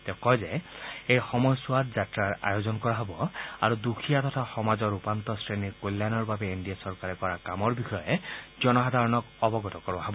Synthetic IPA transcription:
t̪ẽkɔjzɛejxɔmɔjɔswat̚zatɹaɹa̰jozɔnkɔɹaɦɔbɔa̰ɹud̪ukʰijat̪ɔt̪ʰaxɔmazɔɹupant̪ɔsɹeniɹkolːanɔɹbabɛindijasɔɹkaɹɛkɔɹakamɔɹbixʰɔjezɔnɔɦad̪ʱaɹɔnɔkɔbɔɡɔt̪ɔkɔɹaɦɔbɔ

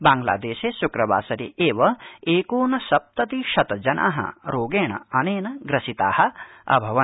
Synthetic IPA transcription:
baːŋɡla̰ːd̪eːʃeːsukɾɐba̰ːsɐɾḭʔeːʋɐeːkoːnɐsɐp̚t̪ɐt̪iʃɐt̪ɐd͡ʒɐnʔa̰ːɦɐ̰ɾoːɡeːɳɐ̰ɐneːnɐɡɾɐsit̪aːhɐ̆ɐ̰bʱɐʋɐ

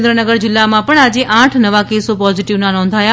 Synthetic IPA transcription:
nd̪ɾənəɡəɾd͡ʒɪlːamãpəɳad͡ʒeʔãʈʰnəʋakesopɔziʈiʋnanɔ̃nd̪ʱaja

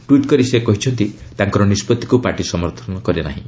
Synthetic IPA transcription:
ʈwiʈkɔɾisekɔɦit͡ʃʰɔnt̪i | t̪aŋkɔɾɔnispɔt̪ːi̥kupaʈisɔmɔɾt̪ʰɔnɔkɔɾiana̰ɦḭ̃

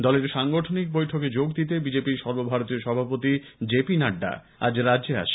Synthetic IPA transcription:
d̪ɔleɾʃaŋɡoʈʰonik̚bojʈʰoked͡ʑoɡd̪it̪̬ebid͡ʑepiɾʃɔɾbobʱaɾot̪ioʃɔbʱapot̪i | d͡ʑepinaɖːa̰ | a̰d͡ʑɾadd͡ʑea̰ʃ

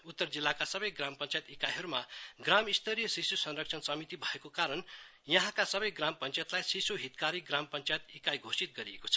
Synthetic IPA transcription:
ut̪ːʌrd͡zilːakasʌbʌjɡrampʌnt͡sajt̪ikajɦʌɾumaɡramist̪ʌɾijʌsisusʌnrʌk̚t͡sʰʌnsʌmit̪ibʱʌekokaɾʌn | jʌɦãkasʌbʌjɡrampʌnt͡sajet̪lajsisoɦit̪kaɾiɡrampʌnt͡sajet̪ikajɡʱosit̪ɡʌɾiḛko̥t͡sʰʌ

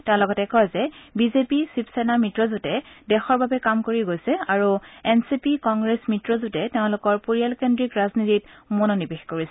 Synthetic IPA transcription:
tɛʊ̃lɔɡɔtɛkɔjzɛbizepisipsɛnamitɹɔzutɛdɛxɔɹbabɛkamkoɹiɡojsɛaɹuɛnsipikɔŋɡɹesmitɹɔzutɛteʊ̃lʊkɔɹpuɹijalkendɹikɹaznititmononibexkoɹisɛ

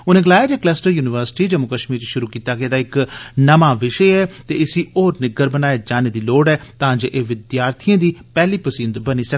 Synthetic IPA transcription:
ʊnẽːɡəlaːjaːd͡ʒeːklɛːsʈəɾjuːnɪʋəɾsɪ̥ʈiːd͡ʒəmʊkəʃmiːɾt͡ʃiʃʊɾuːkiːt̪aːɡɛeːd̪aːɪknəmaːʋɪʃeɛːt̪eːɪsiːoːɾnɪɡəɾbənaːeːd͡ʒaːneːd̪iːloːɖɛːt̪aãːd͡ʒeːʔeːʋɪd̪jaːɾt̪ʰɪjãːd̪iːpɛːliːpəsiːnd̪bəniːsə

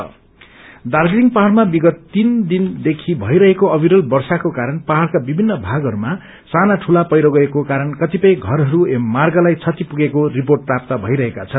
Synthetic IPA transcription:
ʌ | darɡɾiŋɡpaɦaɽmabiɡʌt̪ːind̪ind̪ekʰibʱʌjɾʌɦekoʌbʱiɾʌlbʌrsakokaɾʌnpaɦaɽkabibʱinːʌbʱaɡʌɾuma | sanaʈʰulapʌjɾoɡʌekokaɾʌnkʌt̪ipʌj̃ɡʱʌɾɦʌɾuemarɡʌlajt͡sʰʌt̪ipuɡekoriporʈ̚prap̚t̪ʌbʱʌjɾʌɦekat͡sʰʌn

